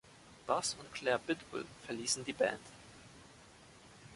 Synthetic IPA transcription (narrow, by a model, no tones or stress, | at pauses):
b̥asʊntkʰl̥ɛːɐbɪtb̥ʊ̰lfɛɐliːsn̩diːbɛ̰̃ːnt